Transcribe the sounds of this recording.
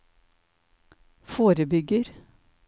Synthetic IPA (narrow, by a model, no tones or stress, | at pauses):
foːɾəbʏɡəɾ